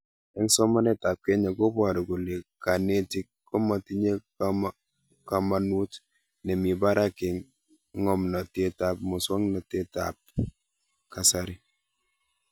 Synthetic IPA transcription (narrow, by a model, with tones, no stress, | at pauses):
ɛ˦ŋsɔ˦ma˦nɛ˦ta˨p̚ke˦ɲa˨ɡo˦bɔ˨ɾɔ˨ɡu˨le˨ka˨ne˦ti˦kkːɔ˦ma˨ti˦ɲe˦ | ka˨ma˨nu˦t | nɛ˨mi˨ba˦ɾa˦ke˨ŋ˦ | ŋɔ˦mna˨te˦ta˦p̚mo˨swɔ˦ŋna˨te˦ta̰p̚ | ka˨sa˦ɾi˦